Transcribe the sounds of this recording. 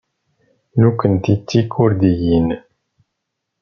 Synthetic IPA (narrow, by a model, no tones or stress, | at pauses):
nukɨnt̪it̪ikʰuɾd̪ijin